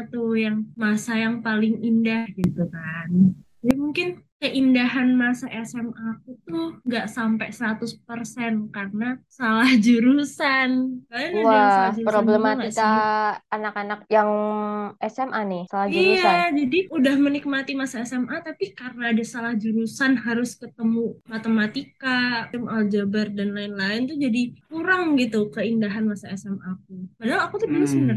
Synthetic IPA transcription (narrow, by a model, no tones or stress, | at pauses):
at̪ujaŋmasajaŋpalɪŋindahɡit̪ukand͡ʒadimuŋkɪnkəʔindaɦanmasaʔɛsɛmakut̪ʊŋɡaʔsampɛsəɾat̪ʊspərsɛnkarnasalahd͡ʒuɾusankanawasad͡ʒpɾoblɛmaŋist̪aanakanak̚jaŋʔɛsɛmʔanɪsalahd͡ʒuiɾuaad͡ʒadiudahmənik̚mat̪imasaɛsɛmʔat̪apikarənaːdasalahd͡ʒuɾusanɦaɾʊskət̪əmumat̪əmat̪ikaɪmald͡ʒabardanlaɪnlaɪnt̪ud͡ʒadikuɾaŋɡit̪ukəindaɦanmasaɛsɛmʔak̚upadaɦalakut̪ubənəsbənər